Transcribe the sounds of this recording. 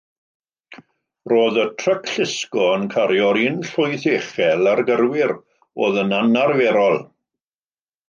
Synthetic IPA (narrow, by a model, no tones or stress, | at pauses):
roːðətʰrəkʰɬɪskɔənkʰaɾjɔɾinɬʊjθeχɛlˠarɡərwɪɾ | oːðənanarvɛɾɔlˠ